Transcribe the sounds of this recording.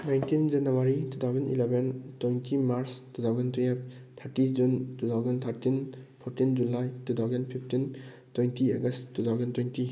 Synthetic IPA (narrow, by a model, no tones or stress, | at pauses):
najntind͡ʒɐnuwaɾitʰut̪ʰawzɐnḭlebentwejntʰimaɾstut̪ʰawzentiep̚ | t̪ʰaɾtid͡ʒuntut̪ʰawzent̪ʰaɾtinpʰoɾtind͡ʒulajtut̪ʰawzenpʰipʰtin | twejntʰiaɡɐsttːut̪ʰawzentwejnti